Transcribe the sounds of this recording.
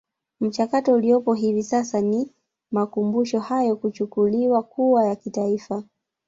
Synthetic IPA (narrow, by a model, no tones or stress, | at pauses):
m̩t͡ʃakatɔulijɔpɔɦivisasani | makumbuʃɔhajɔkut͡ʃukuliwakuwajakitaifa